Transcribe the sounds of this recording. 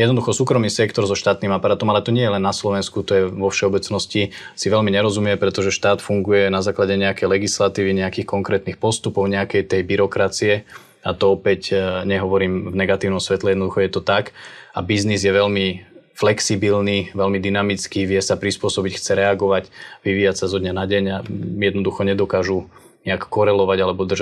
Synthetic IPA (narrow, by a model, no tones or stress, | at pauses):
jɛd̪nɔd̪uxɔsuːkɾɔmiːsɛkt̪ɔɾzɔʃt̪aːt̪nimapaɾaːt̪ɔmalɛt̪ɔɲɪɛjɛlɛnːaslɔʋɛnskut̪ɔjɛʋɔfʃɛɔbɛt͡snɔscisiʋɛlmiɲɛɾɔzumɪjɛpɾɛt̪ɔʒɛʃt̪aːt̪fuŋɡujɛnazaːklaɟɛɲɛakɛjlɛɡislat̪iːʋiɲɛakiːxkɔŋkɾɛːt̪nixpɔst̪upɔʊɲɛakɛjt̪ɛjbiɾɔkɾat͡siɛ | at̪ɔɔpɛcɲɛɦɔʋɔɾiːmvnɛɡat̪iːʊnɔmsʋɛt̪lɛjɛd̪nɔd̪uxɔjɛt̪ɔt̪aka̰biznizjɛʋɛlmiflɛksibilniʋɛlmid̪inamit͡skiʋɪɛsapɾispʊɔsɔbicxt͡sɛɾɛaɡɔʋacʋiʋiːjacsazɔd̪ɲanaɟɛɲajɛd̪nɔd̪uxɔɲɛd̪ɔkaːʒu | ɲɛakkːɔɾɛlɔʋaɟalɛbɔd̪rʒa